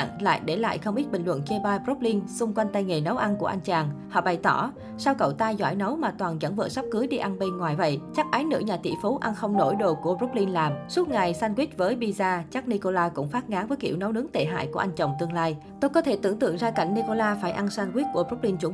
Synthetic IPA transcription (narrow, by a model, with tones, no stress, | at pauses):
ŋla̰ː˧˨jɗe˧˩la̰ː˧˨jxə˧wŋ͡mʔi˦˥t̚ɓï˨˩ŋ̟lwə̰˧˨nke˧ɓaː˧jpro˦˥p̚li˧nsʊ˧ŋ͡mkwa˧jŋ̟t̪a˧jŋe˨˩nə˨˦wʔa˧nku˧˩əʔa˧jŋ̟t͡ɕaː˨˩ŋhɔ̰˧˨ɓa˨˩jt̪ɔ˧˩ | saː˧wkə̰˧˩wt̪aː˧jzwa̰ː˧˩jnə˨˦wmaː˨˩t̪waː˨˩nza̰˧˩ŋvə̰ː˧˨sa˦˥p̚kɨː˨˦jɗi˧ʔa˧nɓe˧nŋwaː˨˩jvə̰˧˨jt͡ɕa˦˥k̚ʔaː˨˦jnɨ̰˧˥ɲaː˨˩t̪ḭ˧˩˨fu˨˦ʔa˧nxə˧wŋ͡mno̰˧˩jɗo˨˩ku˧˩əro˦˥p̚li˧nlaː˨˩msu˦˥t̚ŋa˨˩jsaː˧nkwi˦˥k̚vəː˨˦jɓi˧zaː˧t͡ɕa˦˥k̚ni˧ko˧laː˧kʊ̰˧˥ŋ͡mfaː˦˥t̚ŋaː˨˦nvəː˨˦jkḭ˧˩əwnə˨˦wnɨ˨˦əŋt̪e˧˨˩ɦa̰ː˧˨jku˧˩əʔa˧jŋ̟t͡ɕə˨˩wŋ͡mt̪ɨ˧əŋlaː˧j | t̪o˧jkɔ˨˦t̪ʰe˧˩t̪ɨ̰˧˩əŋt̪ɨ̰˧˨əŋzaː˧ka˧˩jŋ̟ni˧ko˧laː˧faː˧˩jʔa˧nsaː˧nkwi˦˥t̚ku˧˩əɾo˦˥p̚li˧nt͡ɕʊ˨˧˦ŋ͡m